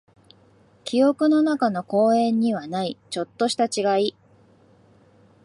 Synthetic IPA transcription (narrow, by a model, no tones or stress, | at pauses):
kʲʰio̞kɯ̟no̞nakano̞ko̞ːẽ̞ɲ̟ːiβanait͡ɕo̞t̪ːo̞ɕi̥t̪at͡ɕiɡai